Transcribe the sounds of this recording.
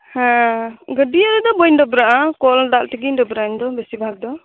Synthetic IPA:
hãɡədiaɾid̪ɔbɔjndɔbɾaʔakɔld̪aʔltiɡindɔbɾand̪ɔbɛsibʱak̚d̪ɔ

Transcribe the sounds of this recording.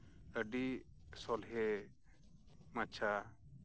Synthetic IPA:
əɖi | sɔlɦɛ | mat͡ʃʰa

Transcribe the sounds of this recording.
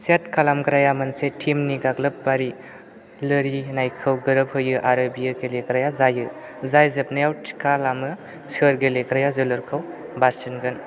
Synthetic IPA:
sat̚kʰalamɡɾajamɐnsetʰimniɡaɡlɐp̚baɾi | lɯɾinajkʰɯwɡɯɾɯphɯjɯʔaɾɯbijaɡeleɡɾajazajɯ | zajzɐpnajawtʰi̥kʰalamɯ | t͡ʃəɾɡeleɡɾajazɯlɯɾkʰɯwbaɾsinɡɯn

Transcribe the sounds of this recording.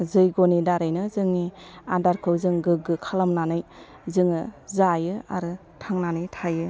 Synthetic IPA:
zɯjɡɔnidaɾɯjnɯzɯŋiadaɾkʰɯwzɯŋɡɯɡɯkʰalamnanɯj | zɯŋɯzajɯa̰ɾɯ | tʰaŋnanɯjtʰajɯ

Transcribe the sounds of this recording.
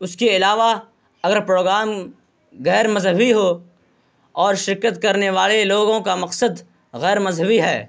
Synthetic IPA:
ʊskeɪlaːʋa | ɐɡəɾpɾoːɡɾaːm | ɣɛːɾmɐzɦəbiɦo | ɔːɾʃɪɾkət̪kɐɾneʋaːleloːɡõkamɐqsəd̪ | ɣɛːɾmɐzɦəbiɦɛː

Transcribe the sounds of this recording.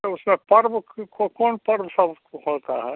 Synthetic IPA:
ʊsmẽpəɾbkokonpəɾbsəb | hoːt̪aɦɛ

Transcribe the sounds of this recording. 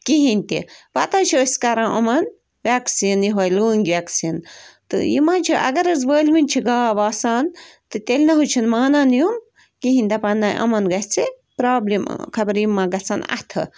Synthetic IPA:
kiɦinʲt̪ḭʋɐt̪ãːt͡ʃʰiəsʲkɐɾãːʔɐmɐn | ʋʲaksiːnjiɦojluːŋɡʲʋʲaːksint̪ɨ̰jḭmãːnt͡ʃʰiʔɐ̰ɡɐɾɐzʋəːlʲʋinʲt͡ʃʰiɡaːʋaːsaːnt̪ɨt̪ʲelʲnɐɦut͡ʃʰinmaːnaːnjum | kiɦĩnʲd̪ɐpɐnːaːʔɐ̰mɐnɡɐt͡sʰɨ | pɾaːblimkʰɐbɾjimːãːɡɐt͡saːnɐ̰t̪ʰɨ̰

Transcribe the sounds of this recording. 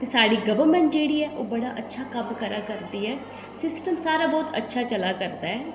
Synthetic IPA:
t̪eːsaːɽiːɡəʋəɾmɛ̃ɳʈ̚d͡ʒeːɽiːɛːʔoːbəɽaːʔətːʃʰaːkəmkəɾaːkəɾd̪iːɦɛː | sɪsʈəmsaːɾaːbɔːt̪ə̰tːʃʰaːt͡ʃəlaːkəɾd̪aːɦɛː

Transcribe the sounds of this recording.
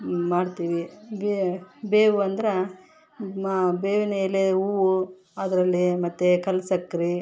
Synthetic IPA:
maːɖt̪iːʋibebeːʋuɐnd̪ɐɾe | mabeːʋinɐileuːʋu | ɐd̪ɐɾɐlːimɐt̪ːekɐlsɐkːɾi

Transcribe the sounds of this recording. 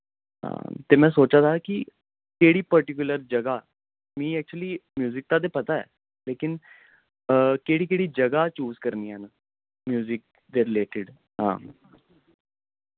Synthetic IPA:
ɦã̰ːt̪eːmɛ̃ːsoːt͡ʃaːd̪aːkɪ | keːɽiːpəɾʈɪk̬ʊləɾd͡ʒəɡaː | mĩːɛːk̚t͡ʃuəliːmjuːzɪk̚t̪ãːd̪̬eːpət̪aːɛ̰ː | leːkɪn | keːɽiːkeːɽiːd͡ʒəɡaːt͡ʃuːzkəɾniːɛːnə | mjuːzɪk̚ | d̪eːɾɪleːʈɪɖ | ɦã̰ː

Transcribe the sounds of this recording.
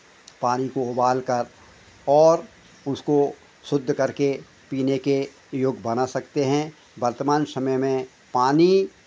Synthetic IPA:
paːnikoʊbaːlkɐɾ | ɔːɾ | ʊsko | sʊd̪ʱːkɐɾke | piːneke | joːɡbɐnasɐkt̪eɦɛ̃ | bɐɾt̪əmaːnsɐməjmẽ | paːni

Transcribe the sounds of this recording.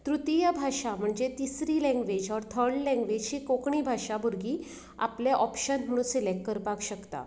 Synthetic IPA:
t̪ɾut̪ijəbʱaɕam̤əɳd͡ʑet̪isɾilɛ̃ŋɡʋed͡ʑɔɾt̪ʰəɾɖlɛ̃ŋɡʋed͡ʑɕiːkokɳiːbʱaɕabuɾɡiː | a̰pleʔɔpɕənm̤əɽ̃usilekːəɾpakɕəkt̪a̰

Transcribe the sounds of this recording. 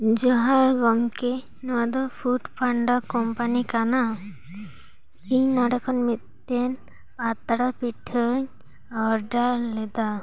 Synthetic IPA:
d͡ʒɔɦaɾɡɔmkɛ | nɔwad̪ɔpʰuʈpʰaɳɖɔkɔmpanikana | iɲnɔɖɛkʰɔnmit̪̚ːɛn | pat̪aɽapiʈʰɔɲ | ɔɾɖalɛd̪a

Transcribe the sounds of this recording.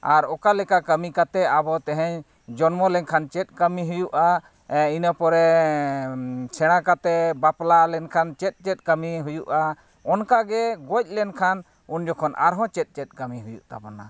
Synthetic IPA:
aɾɔkalɛkakəmikat̪ɛabɔt̪ɛɦɛ̃ɲ | d͡ʒɔnmɔlɛnkʰant͡ʃɛt̪̚ˀkəmiɦujuʔa | inəpɔɾɛ | t͡ʃʰɛɽ̃ãkat̪ɛbaplalɛnkʰant͡ʃɛt̪̚ˀt͡ʃɛt̪̚ˀkəmiɦujuʔa | ɔnkaɡɛɡɔc̚ˀlɛnkʰan | und͡ʒɔkʰɔnʔa̰ɾɦɔ̃t͡ʃɛt̪̚ˀt͡ʃɛt̪̚ˀkəmiɦujuʔt̪a̰bɔna

